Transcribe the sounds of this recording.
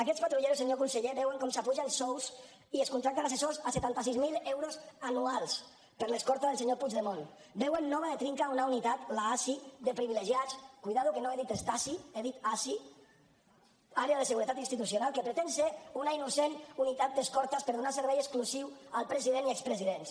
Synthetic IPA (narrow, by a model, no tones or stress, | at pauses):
akɛt̪spat̪ɾuʎeɾuseɲokunseʎeβɛweŋkɔmsapuʒensɔwz | ieskunt̪ɾak̚t̪anas̬esozaset̪ant̪as̬izmilewɾozanualˠs | pəɾleskɔɾt̪azðelˠseɲopud͡ʒðemon | bɛwenːɔβ̞aðet̪ɾiŋkaunaunit̪at̪laasid̪epɾiβ̞ileʒiat͡skujðaðukenoeðit̪est̪asieðit̪asi | aɾeaðeseɣuɾet̪at̪inst̪it̪usjonalˠkepɾet̪enseunainusenunit̪at̪̚d̪eskɔɾt̪aspəɾðunas̬eɾβɛjeskluziw | alˠpɾeziðeniɛkspɾeziðens